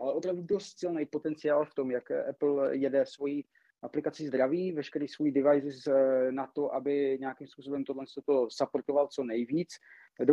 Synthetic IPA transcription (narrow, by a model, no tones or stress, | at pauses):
ʔalɛʔo̞pɾavdudost̪sɪlnɛjpo̞t̪ɛnt͡sɪaːlft̪o̞mjakʔɛpl̩jɛdɛsvo̞jiː | ʔaplɪkat͡sɪzd̪ɾaviːvɛʃkɛɾiːsvojidɪvajzɪsnat̪oʔabɪɲɛjakimspuːso̞bɛmt̪odlɛnst̪ot̪o̞sapoɾt̪ovalt͡so̞nɛjviːt͡s | do